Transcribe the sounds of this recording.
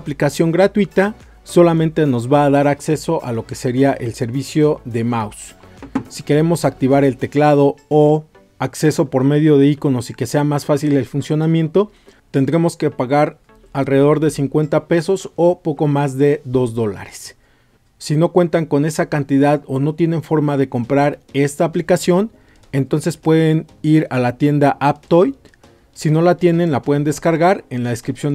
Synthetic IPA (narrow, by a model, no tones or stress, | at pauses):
plikasjo̞ŋɡɾat̪wit̪a | so̞lamẽnt̪e̞no̞zβaːðaɾakse̞so̞ʔalo̞ke̞se̞ɾiaʔe̞lse̞ɾβisjo̞ðe̞mawsː | ike̞ɾe̞mo̞sak̚t̪iβ̞aɾe̞lt̪e̞klað̞o̞o | akse̞so̞po̞ɾme̞ðjo̞ðe̞iko̞no̞sike̞se̞amasfasile̞lfunsjo̞nãmje̞nt̪o̞ | t̪e̞nd̪ɾe̞mo̞ske̞paɣaɾ | alre̞ðeðo̞ɾðe̞siŋkwe̞nt̪ape̞so̞sopo̞ko̞mazðe̞ðo̞zðo̞la̰ɾe̞̥sː | ino̞kwe̞nt̪aŋko̞ne̞sakant̪iðaðo̞no̞t̪je̞nẽ̞ɱfo̞ɾmaðe̞ko̞mpɾaɾe̞st̪aːplikasjo̞n | e̞nt̪o̞nse̞spwe̞ðe̞niɾalat̪je̞nd̪aʔap̚t̪ojt̪ | sino̞lat̪je̞ne̞nlapwe̞ðe̞nd̪e̞skaɾɣaɾe̞nlaðeskɾipsjo̞n